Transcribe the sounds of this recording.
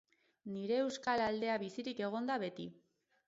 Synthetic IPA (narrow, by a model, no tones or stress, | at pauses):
niɾe̞ːwskalald̪e̞aβisiɾike̞ɣ̞o̞nd̪aβe̞t̪i